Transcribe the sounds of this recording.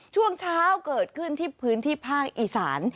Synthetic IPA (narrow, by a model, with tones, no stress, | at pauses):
t͡ɕʰu˥˩əŋt͡ɕʰaː˦˥wkɤː˨˩t̪̚kʰɯ˥˩nt̪ʰiː˥˩pʰɯː˦˥nt̪ʰiː˥˩pʰaː˥˩k̚ʔiː˨˩sa̰ː˩˦n